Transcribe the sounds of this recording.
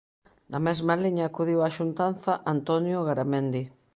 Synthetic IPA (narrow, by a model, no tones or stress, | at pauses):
d̪ɐmɛzmaliɲaːkuð̞iwaʃunt̪anθaʔant̪ɔnjoɣaɾamẽnd̪i